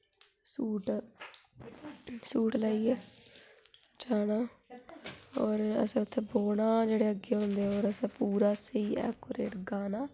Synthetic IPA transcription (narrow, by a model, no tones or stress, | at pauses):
suːʈ | suːʈləiːeː | t͡ʃaːnaː | ɔːɾə̰sɛ̃ːʊt̪ʰːeːboːɳaːd͡ʒeːɽeːəɡeːɦõnd̪eːoːɾəsẽːpuːɾaːsiːɛ̰ːkoɾeːʈɡaːnaː